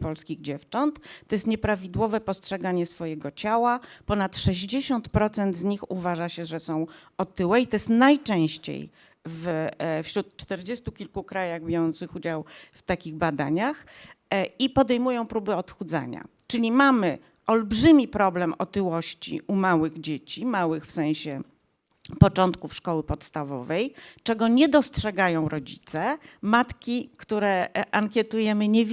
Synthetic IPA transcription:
pɔlskʲiɣd͡ʑɛft͡ʂɔnt̪ːɔjɛst̪ɲɛpɾavʲid̪wɔvɛpɔstʂɛɡaɲɛsfɔjɛɡɔt͡ɕawapɔnat̪ʂɛʑd͡ʑeɕɔnt̪pɾɔt̪sɛnd̪zɲixṵvaʐaɕɛʐɛsɔ̃w̃ | ɔt̪ɘwɛit̪ɔjɛst̪najt͡ʂɛ̃w̃ɕt͡ɕḛj | vfɕɾut̪t͡ʂt̪ɛɾd͡ʑest̪ukʲilkukɾajaɣbʲjɔjɔnt̪sɘxud͡ʑawft̪akʲiɣbad̪a̰ɲax | ipɔd̪ɛjmujɔ̃w̃pɾubɘɔt̪xud̪za̰ɲa̰t͡ʂɘlʲimamɘ | ɔlbʐɘmʲipɾɔblɛmɔt̪ɘwɔɕt͡ɕḭʔumawɘɣd͡ʑet͡ɕimawɘxfsɛ̃w̃ɕɛ | pɔt͡ʂɔnt̪kufʂkɔwɘpɔt̪st̪avɔ̰vɛjt͡ʂɛɡɔɲɛd̪ɔstʂɛɡajɔ̃w̃ɾɔd͡ʑit̪sɛmat̪kʲikt̪uɾɛʔaŋkʲjɛt̪ujɛmɘɲɛvʲ

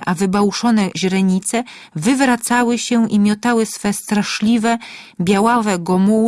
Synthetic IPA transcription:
ʔavɘbawʂɔnɛʑɾɛɲit̪sɛ | vɘvɾat̪sawɘɕɛʔimʲjɔt̪awɘsfɛst̪ɾaʂlʲivɛ | bʲjawavɛɡɔmu

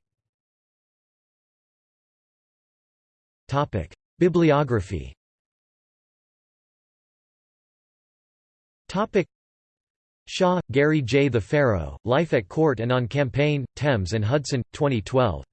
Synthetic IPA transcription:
tʰɑpɪ̰k | b̥ɪbliɑɡɹɨfḭ | tʰɑpɨk̚ | ʃɑɡ̥ɛɹid͡ʒeɪðɨfɛɹo̰ʊlaɪfɨt̚kʰɔɹɾɨ̃nə̃n̩kʰæ̃mpʰẽɪ̃ntʰɛ̃mzɨ̃nɦʌdsɨ̃ntʰw̥ɛ̃ɾ̃itʰw̥ɛ̰lˠv̥

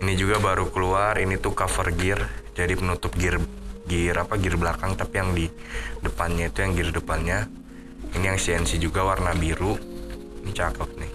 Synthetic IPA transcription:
inid͡ʒuɡabaɾukəluarinit̪ukafərɡɪrd͡ʒadipənut̪ʊp̚ɡɪrɡiɾapaɡɪrbəlakaŋt̪apijaŋdidəpanɲait̪ujaŋɡɪrdəpanɲa | inijaŋsiɛnsid͡ʒuɡawarnabiɾu | nit͡ʃakəp̪̚nɪh

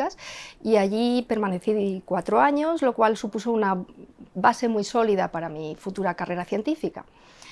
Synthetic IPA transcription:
asiaʎipe̞ɾmãne̞θikwat̪ɾoaɲo̞zlo̞kwalsupusounaβase̞mujso̞lið̞apaɾamifut̪uɾakare̞ɾaθje̞nt̪ifika̰

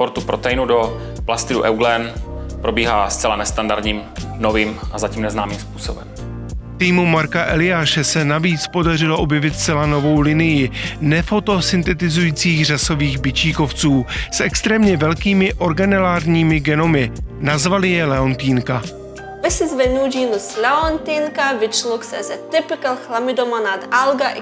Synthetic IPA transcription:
poɾt̪upɾot̪ɛjnudo | plast̪ɪdṵʔɛwɡlɛnpɾobiːɦaːst͡sɛlanɛst̪andaɾdɲiːmnoviːmʔazaciːmnɛznaːmiːmspuːsobɛm | t̪iːmumaɾkaʔɛlɪjaːʃɛsɛnaviːt͡spo̞dar̝ɪloʔo̞bjɛvɪt̪st͡sɛlano̞vo̞wlɪnɪjɪnɛfo̞t̪o̞sɪnt̪ɛt̪ɪzujiːt͡siːxr̝aso̞viːɣbɪt͡ʃiːko̞ft͡suːsʔɛkst̪ɾɛːmɲɛvɛlkiːmɪʔo̞ɾɡanɛlaːɾɲiːmɪɡɛno̞mɪnazvalɪjɛlɛont̪iːŋka | vɪsɪzvɛnud͡ʒiːnuslɛont̪iŋkavɪt͡ʃlɔksɛ̰zɛt̪ɪpɪkɛlxlamɪd̪omanad̪alɡaʔ

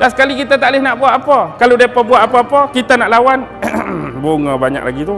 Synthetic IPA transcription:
dasə̥kalikit̪at̪aʔlɪhnaʔbuaʔapakaludiapəbuaʔapaapəkit̪anaʔlawan | bʊŋabaɲa̰k̚lʔa̰ɡit̪u

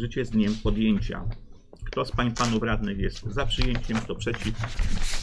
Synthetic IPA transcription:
ʐɘt͡ɕɛzd̪ɲɛmpɔd̪jeɲt͡ɕa̰ | kt̪ɔspaɲpanuvɾad̪nɘxjɛst̪zapʂɘjeɲt͡ɕɛmst̪ɔpʂɛt͡ɕif

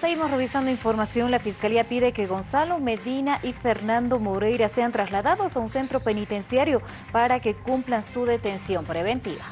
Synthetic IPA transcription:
seɣimo̞sre̞β̞isand̪o̞iɱfo̞ɾmasjo̞nlafiskaliapiðe̞ke̞ɣo̞nsalome̞ðinaʔife̞ɾnãnd̪o̞moɾe̞jɾaseant̪ɾazlaðaðo̞saunse̞nt̪ɾo̞pe̞nit̪e̞nsjaɾjo̞ | paɾake̞kumplansuðe̞t̪e̞nsjo̞mpɾe̞βe̞nt̪iβa

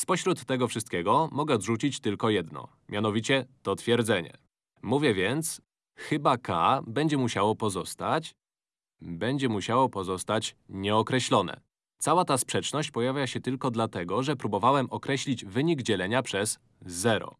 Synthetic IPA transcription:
spɔɕɾut̪ːɛɡɔfʂɘst̪̚kʲɛɡɔmɔɡɛɔd̪ʐut͡ɕit͡ɕt̪ɘlkɔjɛd̪nɔ̰ | mʲjanɔvʲit͡ɕɛt̪ɔt̪fʲjɛɾd̪zɛɲɛ̰ | muvʲjɛvʲɛnt̪s | xɘbaka̰bɛɲd͡ʑɛmuɕawɔpɔzɔst̪at͡ɕ | bɛɲd͡ʑɛmuɕawɔpɔzɔst̪at͡ɕɲɛɔkɾɛɕlɔnɛ̰ | t̪sawat̪aspʂɛt͡ʂnɔɕt͡ɕpɔjavʲjaɕɛt̪ɘlkɔd̪lat̪ɛɡɔʐɛpɾubɔvawɛmɔkɾɛɕlʲid͡ʑvɘɲiɡd͡ʑɛlɛɲapʂɛz̥ː | ɛɾɔ̰

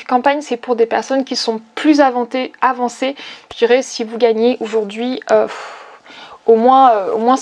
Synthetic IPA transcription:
kɑ̃paɲsɛpuʁd̪epɛʁsɔnkʲisɔ̃plyzavɑ̃t̪eavɑ̃seʒ̥d̪iʁɛsivuɡaɲeʔoʒuʁd̪ɥiøf | omwɛ̃øo̰mwɛ̃

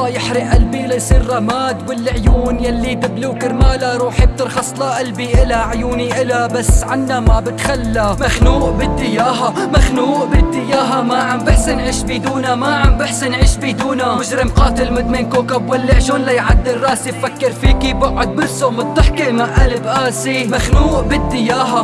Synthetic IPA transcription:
jɪħɾɪʔʔalbilajsˤiːrːɑmaːd̪wɪlːɪʕjuːnjalːit̪ɪbluːkɪɾmaːlaɾˤuːħib̚t̪ɪɾxɑsˤlaʔalbiʔɪlaʕjuːniʔɪlabasʕanːamabɪt̪xalːamaxnuːʔbɪd̪ːɪjaːɦamaxnuːʔbɪd̪ːɪjaːɦamaʕambɪħsɪnʕiʃbiːd̪uːnamaʕambɪħsɪnʕiːʃbid̪uːnamʊʒɾɪmqɑːt̪ɪlmɪd̪̚mɪnkoːkabwɪlːɪʕʒonːajʕad̪ːɪrːɑːsibfakːɪɾfiːkiːbaʕʊd̪̚bɪɾsomʊt̪ˤːɑħkemaʔalɪbʔaːsimaxnuːʔbɪd̪ːɪjaːɦa

